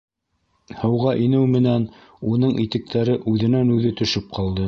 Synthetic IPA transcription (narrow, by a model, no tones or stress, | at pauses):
hɤ̆wʁɑʔinɘwmɘ̆næn | unɤɴit̪ɘ̆k̚t̪ʰæɾɘʔʉðɘ̆nænʉðɘt̪ɵ̆ʃɘp̚qʰɑlˠd̪ɤ